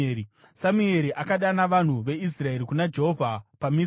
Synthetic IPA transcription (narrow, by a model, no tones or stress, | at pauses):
i | samue̞ɾiʔakaɗanaʋan̤uʋe̞is̬rae̞ɾikunad͡ʒe̞ɦovʱapami